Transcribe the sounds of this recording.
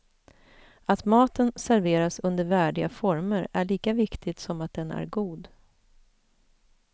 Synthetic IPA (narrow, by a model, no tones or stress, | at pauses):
at̪mɑːt̪ənsæɾveːɾasɵnd̪əɾvæːɖɪɡafɔɾməɾæ̰ɭiːkavɪkt̪ʰɪt̪sɔmat̪̚d̪ɛnæ̰ɾɡuːd̪